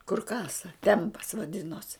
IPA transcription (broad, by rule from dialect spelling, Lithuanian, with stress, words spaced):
kʊr ˈkɑːsɐ ˈtʲɛmpɐs ʋɐˈdʲɪnoːs